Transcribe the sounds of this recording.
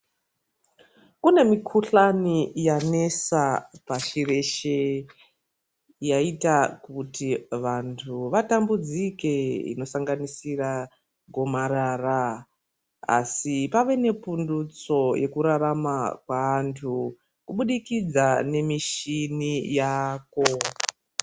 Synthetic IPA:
kune̞mikʰuɬanijane̞sapaɬire̞ʃe | jaitakutiʋantʰuʋatambud͡zikeḭno̞saŋɡanisira | ɡʱo̞maɾara | a̰sipaʋe̞ne̞pundut͡so̞je̞kuɾaɾamakwaːntʰu | kuɓuɗikid͡zane̞miʃinijaːko̞

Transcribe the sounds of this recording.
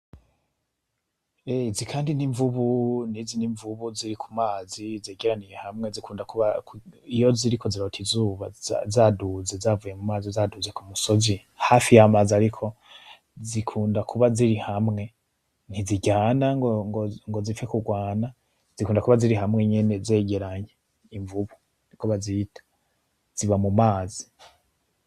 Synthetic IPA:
ezikʰaːndiniɱvuβuniziniɱvuβuziɾikʰu̥maːzizeːɡiɾanijehamŋe̞zikuːndakuβakijo̞ziɾiko̞ziɾo̞tʰizuːβazaduzezavujemumaːzizaːduze̞kumuso̞zi | hafijamazaɾikʰo̞ | zikʰuːndakʰuβaziɾihamŋe̞ | n̥iziɟaːnaŋɡoŋɡoŋɡo̞zifekuɡwaːna | zikuːndakuβaziɾiɦamŋe̞ɲe̞ne̞ze̞ːɡe̞ɾaɲe | iɱvuβu | nikuβazitʰḁ | z̥iβamumaːzi

